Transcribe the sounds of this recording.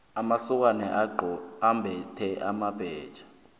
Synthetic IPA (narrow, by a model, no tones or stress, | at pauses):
amasɔk̬wanɛʔaǃɔambʱɛtʰɛʔamab̥ʱɛːd̥ʒ̥ʱḁ